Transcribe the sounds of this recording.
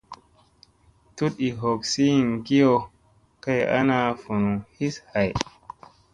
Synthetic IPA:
tu˦ti˨ɦo˨ksi˦˨ŋɡi˦jo˨ | ka˦ja̰˦na˦˨fu˨nu˨hi˦sha˨j

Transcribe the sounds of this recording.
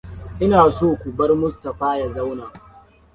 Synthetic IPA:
ʔɪ˦naː˨soː˦˨kʷu˨bɐ˦rmʊ˦stɐ˨ɸaː˦ja˨za˦wnaː˨

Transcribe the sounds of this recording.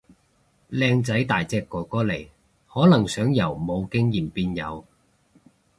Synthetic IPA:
lɛː˧ŋt͡sɐ˨˥jt̪aː˨˩jt͡sɛː˧kːɔː˨˩kɔː˥le˨˩j | hɔː˨˥lɐ˨˩ŋsœː˨˥ŋjɐ˨˩wmo˨˧wkɪ˥ŋjiː˨˩mpiː˧˥njɐ̰˨˧w

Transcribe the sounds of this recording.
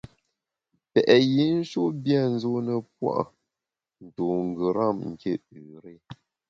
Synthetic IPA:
pɛ˨ʔɛ˨ji˨˦n̩˦ʃo˦bja˦˨n̩˦zo˦nə˨p̚wa̰˦ʔ | n̩˨to˨ŋ̩˨ɡə˨ɾa˦˨mŋ̩˨ke˦˨ʉ˨ɾe˦

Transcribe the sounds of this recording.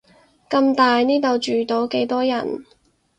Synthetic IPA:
kɐ˧mt̪aː˨jniː˥t̪o˨wt͡ʃyː˨t̪o˨˥wke˨˥jt̪ɔː˥jɐ̰˨˩n

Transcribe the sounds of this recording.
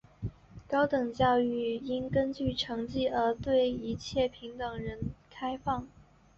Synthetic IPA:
kɑ˥ʊt̪ɤ˨˩ŋt͡ɕjɑ˥˧ʊy˥˩i˥nkə˥nt͡ɕy˥˩ʈ͡ʂʰɤ˧˥ŋt͡ɕi˥˩ə˞˧˥t̪we˥˩ɪi˧˥t͡ɕʰjɛ˥˩pʰi˧˥ŋt̪ɤ˨˩ŋɻə˧˥nkʰa˥ɪfɑ˥˩ŋ

